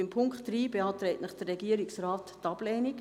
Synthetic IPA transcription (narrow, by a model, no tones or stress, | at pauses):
ɪmpʰʊŋkχtd̥ɾiːbeɑːtɾɛɪtnəχd̥ərːɛɡiəɾɪksraːttɑb̥lɛːnɪk